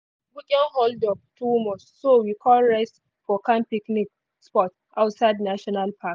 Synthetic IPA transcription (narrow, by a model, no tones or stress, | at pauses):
buɡɛ̃nhɔldɔp̚tʰumɔstsowikʰɔlɹɛst | fɔkãnpiknik̚ | spɔt | awtsaɪdnaʃɔnalpʰak